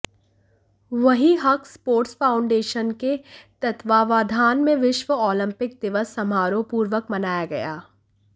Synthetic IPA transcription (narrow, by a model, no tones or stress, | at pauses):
ʋɐɦiɦɐkʰspoːɾʈsfaːʊ̃ɳɖeːʃənket̪ɐt̪ʋaːʋaːd̪ʱaːnmẽʋɪʃʋəɔːlə̃mpɪk̚d̪ɪʋəsːɐmaːɾõpuːɾʋəkmɐnaːjaɡɐ̰ja̰ː